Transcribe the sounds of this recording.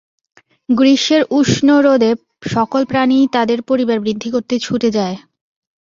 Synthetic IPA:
ɡɾiʃeɾuʃnoɾod̪e | ʃɔkolpɾanit̪ad̪eɾpoɾibaɾbɾid̪ʱːikoɾt̪et͡ɕʰuʈed͡ʑae

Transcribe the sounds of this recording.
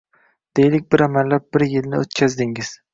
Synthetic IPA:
d̪̥ejlɪk̚ʲbɪɾamalːap̚bɪɾjɪlnɪot̪kʲʰazd̪ɪŋɪz̥

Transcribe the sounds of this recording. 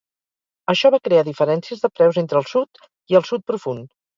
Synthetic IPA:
əʃɔβakɾeaðifəɾɛnsiəzðəpɾɛwzent̪ɾəlˠsut̪ | iəlˠsut̪̚pɾufun

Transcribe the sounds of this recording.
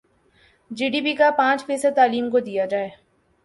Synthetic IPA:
d͡ʒiːɖiːpikapãːt͡ʃpeːset̪aːliːmkod̪ijad͡ʒaːeː

